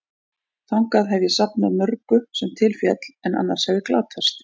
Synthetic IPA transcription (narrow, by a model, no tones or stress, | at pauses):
θawŋkaðɦɛvjɪsapnaðmœɾkʏsɛmt̪ʰɪlfjɛt̪lɛna̰nːaɾ̥hɛvjɪkla̰ːt̪ʰast̪